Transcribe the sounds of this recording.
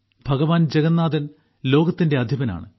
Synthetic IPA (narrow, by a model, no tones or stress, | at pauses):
bʱɐɣɐʋaːnd͡ʑeɡɐnːaːd̪ɐn | lo̞ːɡɐt̪ːinde̞ɐd̪ʱjibɐna̰ːɳɨ